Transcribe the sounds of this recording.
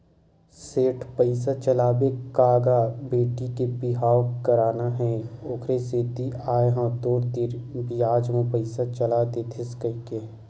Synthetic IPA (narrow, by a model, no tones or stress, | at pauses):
seːʈʰpəɪs̬at͡ʃəlaːbekaːɡabeːʈikebɪɦaːwkəɾaːnaɦɛ̃ʊkʰɾeseːt̪iaːeɦãd̪oːɾd̪iːɾbijaːd͡ʒmõpəɪsat͡ʃəlad̪et̪ʰɪskəike